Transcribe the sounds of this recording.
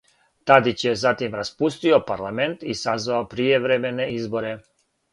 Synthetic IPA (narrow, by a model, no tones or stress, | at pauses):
t̪ad̪it͡ɕjezat̪imɾaspust̪iopaɾlament̪isazʋaopɾijeʋɾemeneizboɾe